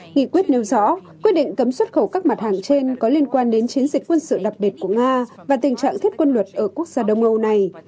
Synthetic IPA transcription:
ŋḭ˧˨kwi˦˥ət̚nɛ˧wzɔ̰˧˥kwi˦ət̚ɗḭ˧˨ŋ̟kə˨˦mswə˦˥t̚xə˧˩wkaː˦˥k̚ma˨˩t̚haː˨˩ŋt͡ɕe˧nkɔ˨˦li˧ənkwaː˧nɗe˨˦nt͡ɕi˨˦ənzï˨˩k̟kwə˧nsɨ̰˧˨ɗa˨˩p̚ɓi˨˩t̚ku˧˩əŋaː˧ | vaː˨˩t̪ï˨˩ŋ̟t͡ɕa̰ː˧˨ŋt̪ʰi˦˥ət̚kwə˧nlwə˨˩t̚ʔəː˧˩ku˦˥ək̚z̥aː˧ɗə˧wŋ͡mʔə˧wna˨˩j

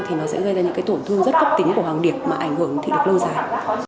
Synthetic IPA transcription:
t̪ʰi˨˩nɔ˨˦sɛ̰˧˥ɣə˧jzaː˧ɲɨ̰˧˥kaː˨˦jt̪o˧˩nt̪ʰɨ˧əŋzə˦˥t̚kə˦˥p̚t̪ï˨˦ŋ̟ku˧˩əwaː˨˩ŋɗi˨˩əp̚maː˨ʔa˧˩jŋ̟hɨ˧˩əŋt̪ʰḭ˧˨lɨ˨˩k̚lə˧wzaː˨˩j

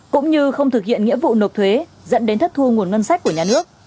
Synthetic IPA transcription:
kʊ̰˧˥ŋ͡mɲɨ˧xə˧wŋ͡mt̪ɨ˨˩k̚hḭ˧˨ənŋḭ˧˥vṵ˧˨no˨˩p̚t̪ʰwe˨˦ | zə̰˧˥nɗe˨˦nt̪ʰə˦˥t̪ʰu˧ŋu˨˩ənŋə˧nsa˦˥k̟̚ku˧˩ɲaː˧nɨ˦˥ək̚

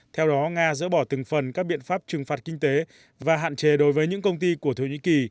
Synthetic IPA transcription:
t̪ʰɛ˧wɗɔ˨˦ŋaː˧zə̰˧˥ɓɔ˧˩t̪ɨ˨˩ŋfə˨˩nkaː˦˥k̚ɓḭ˧˨ənfaː˦˥p̚t͡ɕɨ˨˩ŋfaː˨˩t̚kï˧ŋ̟t̪e˨˦ | vaː˨˩ɦa̰ː˧˨nt͡ɕe˨˦ɗo˨˦jvəː˨˦jɲɨ̰˧˥ŋkə˧wŋ͡mt̪i˧ku˧˩ət̪ʰo˧˩ɲḭ˧˥ki˨˩

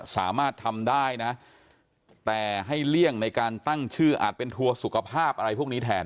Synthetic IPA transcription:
sa̰ː˩˦maː˥˩t̪ʰːa˧mdaː˥˩jna˦˥ | t̪ɛː˨˩ɦa˥˩jli˥˩əŋna˧jkaː˧nt̪a˥˩ŋt͡ɕʰɯː˥˩ʔa̰ː˨˩t̪̚pe˧nt̪ʰu˧ɐsu˨˩kʰa˧pʰaː˥˩p̚ʔa˧ɾa˧jpʰuː˥˩əniː˦˥t̪ʰɛː˧n

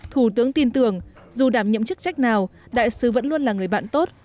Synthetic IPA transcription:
t̪ʰu˧˩t̪ɨ˨˦əŋt̪i˧nt̪ɨ˧˩əŋ | zu˨˩ɗaː˧˩mɲə̰˧˨mt͡ɕɨ˦˥k̚t͡ɕa˦˥jk̚naː˨˩wɗa̰ː˧˨jsɨ˨˦və̰˧˥nlu˧ənlaː˨˩ŋɨ˨˩əjɓa̰ː˧˨nt̪o˦˥t̚

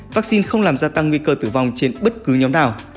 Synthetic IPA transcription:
vaː˦˥k̚si˧nxə˧wŋ͡mlaː˨˩mzaː˧t̪a˧ŋːwi˧kəː˧t̪ɨ˧˩va˧wŋ͡mt͡ɕe˧nɓə˦˥t̚kɨ˨˦ɲɔ˨˦ŋ͡mɗaː˧˩w

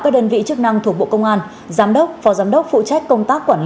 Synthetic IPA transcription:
kaː˦˥k̚ɗəː˧nvḭ˧˨t͡ɕɨ˦˥ək̚na˧ŋt̪ʰu˧˩ək̚ɓo̰˧˨kə˧wŋ͡mʔaː˧n | zaː˨˦mɗə˦˥wk͡p̚fɔ˨˦zaː˨˦mɗə˦˥wk͡p̚fṵ˧˨t͡ɕa˦˥jk̟kə˧wŋ͡mt̪aː˦˥kːwaː˧˩nl

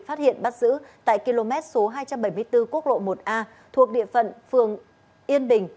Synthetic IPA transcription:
faː˦˥t̚hḭ˧˨ənɓa˦˥t̚zɨ̰˧˥t̪a̰ː˧˨jki˧lo˧mɛ˦˥t̚so˨˦ɦaː˧jt͡ɕa˧mɓə˧˩jm˧əjt̪ɨ˧ku˦˥ək̚lo̰˧˨mo˨˩t̚ʔaː˧ | t̪ʰu˨˩ək̚ɗḭ˧˨əfə̰˧˨nfɨ˨˩əŋ | ʔi˧ənɓï˨˩ŋ̟

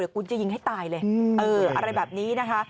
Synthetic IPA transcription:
i˨˩kʰu˧nt͡ɕa˨ji˧ŋɦa˥˩jt̪aː˧jlɤː˧jʔɤː˧ʔa̰˧ɾa˧jbɛː˨˩p̚niː˦˥na˦˥kʰa˦˥ʔ

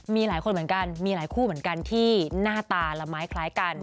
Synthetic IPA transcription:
miː˧laː˩˦jko˧mɯ˩˦ənka˧nmiː˧laː˨˩˦jkʰuː˥˩mɯ˩˦ə˦nka˧nt̪ʰiː˥˩naː˥˩t̪aː˧la˧˩maː˨˦˥jkʰlaː˦˥jka˧n

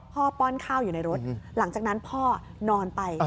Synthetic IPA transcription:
pʰɔː˥˩pɔː˥˩nkʰaː˥˩wjuː˨˩na˧jɾo˦˥t̪̚la˩˦ŋt͡ɕaː˨˩k̚na˦˥npʰɔː˥˩nɔː˧npa˧j

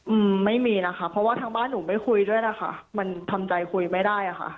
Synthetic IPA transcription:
ʔɯː˧mːa˥˩jmiː˧na˦˥ka˦˥pʰɾɔ˦˥waː˥˩t̪ʰaː˧ŋbaː˥˩nːuː˩˦ma˥˩jkʰu˧jdu˥˩əjna˦˥xʰa̰˥˩ma˧nt̪ʰa˧mt͡ɕa˧jkʰu˧jma˥˩jdaː˥˩jʔa˨˩xʰa̰˥˩ʔ

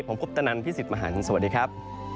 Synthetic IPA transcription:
pʰo˩˦mpʰo˦˥p̚t̪a˧na˧nt̪ʰiː˥˩i˨˩t̪̚ma˧ɦa̰ː˩˦˥nɯ˧nsa˧wa˨˩t̚diː˧kʰɾa˦˥p̚

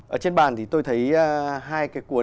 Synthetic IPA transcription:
ʔəː˧˩t͡ɕe˧nɓaː˨˩nt̪ʰi˨˩t̪o˧jt̪ʰə˨˦jɦaː˧jkaː˨˦jkwu˨˦

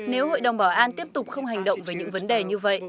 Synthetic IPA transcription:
ne˨˦who̰˧˨jɗə˨˩wŋ͡mɓɔ˧˩ʔaː˧nt̪i˦˥əp̚t̪ʊ˨˩k͡p̚xə˧wŋ͡mɦa˨˩jŋ̟ɗə̰˧˨wŋ͡mveː˨˦ɲɨ̰˧˥ŋvə˨˦nɗe˨˩ɲɨ˧və̰˧˨jʔ

